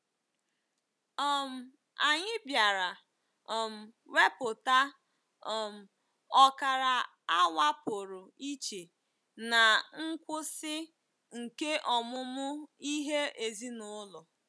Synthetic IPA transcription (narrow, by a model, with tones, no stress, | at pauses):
ɔ˦m̩˨ | a˨ɲɪ˦bja˨ɾa˨ | ɔ˨m̩˨ | we˦pʊ˨ta˦ | ɔ˨m̩˨ | ɔ˦ka˨ɾa˨ | a˦wa˦pʊ˨ɾʊ˨i˦t͡ʃe˨ | na˨ŋ̩˦kʷʊ˦sɪ˦ | ŋ̩˨ke˦ʔɔ˨mʊ˦mʊ˦i˦ɦe˦e˨zi˦nʊ˦lʊ˨